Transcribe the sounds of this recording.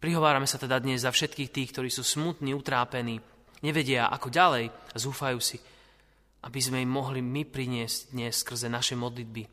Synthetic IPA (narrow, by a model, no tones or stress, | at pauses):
pɾiɦɔʋaːɾamɛsat̪ɛd̪ad̪ɲɛzːafʃɛt̪kiːxt̪iːxkt̪ɔɾiːsuːsmut̪niːut̪ɾaːpɛniː | ɲɛʋɛɟɪaʔa̰kɔɟalɛjazuːfajuːsi | ʔabizmɛimːɔɦlimipɾiɲɪɛzɟd̪ɲɛsskr̩zɛnaʃɛmɔd̪lid̪̚bi